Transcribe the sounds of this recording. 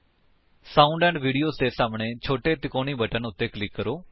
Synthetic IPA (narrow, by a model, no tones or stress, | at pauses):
sãːʊɳɖɛ̃ːɳɖʋiːɖijoːzd̪eːsaːmɳẽːt͡ʃʰoːʈeːt̪ɪkoːɽ̃iːbəʈənʊt̪ːeːklɪkːəɾoː